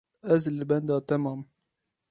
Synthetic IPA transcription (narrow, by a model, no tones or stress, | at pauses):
ʔæzlbænd̪ɑːt̪æmɑːm